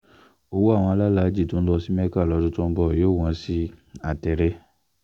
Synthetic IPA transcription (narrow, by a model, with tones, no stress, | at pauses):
o˧wo˦a˦˨w̃ɔ̃˧la˦la˨˦d͡ʒi˦˨to˨˦lɔ˧si˦mɛ˦ka˦˨lɔ˧˦dũ˧tũ˦˧˦bɔ˦˨joː˦˨w̃ɔ̃˨˧si˦a˨tɛ˧ɾɛ˦